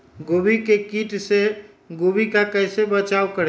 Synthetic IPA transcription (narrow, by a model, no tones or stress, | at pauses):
ɡobikekiʈse | ɡobikakəɪsebət͡ʃawkəɾɛ